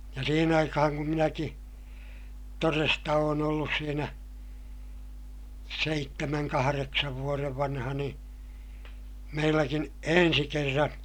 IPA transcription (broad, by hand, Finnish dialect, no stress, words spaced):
jɑ siːhen ɑikɑhɑŋ kum minæki torestɑ oːn olːus siːnæ seitːemæŋ kɑhɑreksɑʋ ʋuoreʋ ʋɑnhɑ niː meilːækin ensi kerːɑn